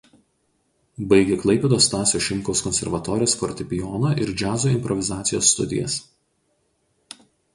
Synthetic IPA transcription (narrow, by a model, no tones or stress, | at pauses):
bɐɪɡʲɛklˠɐɪpʲɛːd̪oːst̪ɑːsʲoːʃʲɪmʲkɔʊskɔnʲsʲɛ̰ɾʋɐt̪ɔːɾʲɪjoːsfɔɾʲt̪ʲɪpʲɪjɔnɐʔɪɾd͡ʒʲæːzoːɪmʲpɾɔʋʲɪzɑːt̪sʲɪjo̰ːsːt̪ʊ̰d̪ʲɪ̰jɛ̰s